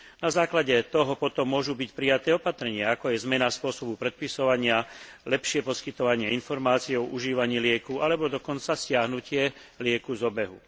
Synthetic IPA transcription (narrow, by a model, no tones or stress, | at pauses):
nazaːklaɟɛt̪ɔɦɔpɔt̪ɔmːʊɔʒubicpɾijat̪ɛːɔpat̪ɾɛɲɪaakɔjɛzmɛnaspʊɔsɔbupɾɛt̪̚pisɔʋaɲɪalɛpʃɪɛpɔskit̪ɔʋaɲɪɛinfɔɾmaːt͡siɛɔʔuʒiːʋaɲiːlɪɛkualɛbɔd̪ɔkɔnt͡sascɪaɦnucɪɛ | lɪɛkuzɔbɛɦu